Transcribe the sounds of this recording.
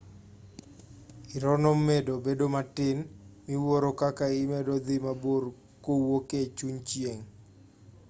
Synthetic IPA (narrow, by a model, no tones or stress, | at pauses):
iɾɔnɔmedobedomatɪnmiwoɾokakaɪmedod̪imabor | kowoket͡ʃuɲt͡ʃjeŋ